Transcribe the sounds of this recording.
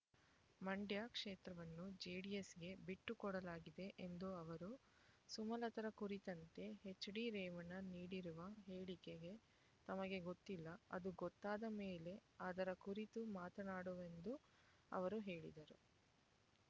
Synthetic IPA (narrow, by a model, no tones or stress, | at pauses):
mɐɳɖjaːkʂeːt̪ɾɐʋɐnːud͡ʒeːɽiesɡe̞biʈːukɔɽɐlaːɡid̪e̞ʔend̪uɐʋɐɾu | sumɐlɐt̪ɐɾɐkuɾit̪ɐnt̪e̞ɦet͡ʃːɐɽiɾɛːʋɐnɐniːɽiɾuʋɐɦeːɭikeɡe̞ | t̪ɐmɐɡe̞ɡot̪ːilːɐɐ̰d̪uɡɔt̪ːaːd̪ɐmeːle̞aːd̪ɐɾɐkuɾit̪umaːt̪ɐnaːɽuʋe̞nd̪u | ɐ̰ʋɐɾuɦe̞ːɭḭd̪ɐɾṵ